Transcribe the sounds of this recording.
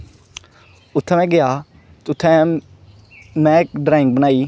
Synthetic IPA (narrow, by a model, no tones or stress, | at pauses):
ʊt̪ʰːɛːmɛ̃ːɡɪjaː | t̪ʊt̪ʰːɛ̃ː | mɛ̃ːkɖɾaːɪ̃ŋk̚bənaːiː